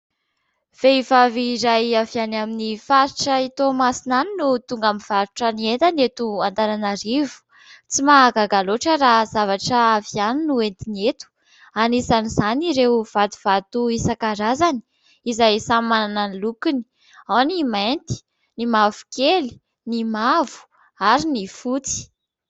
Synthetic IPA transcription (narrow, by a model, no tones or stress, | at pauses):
v̥eivaviɾajavianaminifaɾiʈ͡ʂəit̪omasinaninut̪uŋɡamiv̥aɾuʈ͡ʂənient̪anet̪uant̪ananaɾivu̥ | t͡simaɡaɡaloʈ͡ʂəɾazavaʈ͡ʂəavianinuent̪inet̪u̥ | anisanizaniɾewv̥at̪u̥v̥at̪uisakaɾazani̥ | izajsamanananlukini̥ | awnimant̪i̥ | nimavu̥keli̥ | nimavu̥ | aɾinifut͡si̥